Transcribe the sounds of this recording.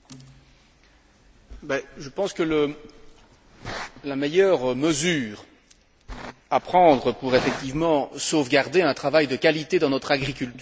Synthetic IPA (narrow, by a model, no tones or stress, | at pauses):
bɛʒəpɑ̃skələ | lamejœʁməzyːʁ | apχɑ̃d̪ʁəpuʁefɛk̚t̪ivmɑ̃sovɡaʁd̪eɛ̃t̪χavajd̪əkalit̪ed̪ɑ̃nɔt̪χaɡʁikʲylt̪y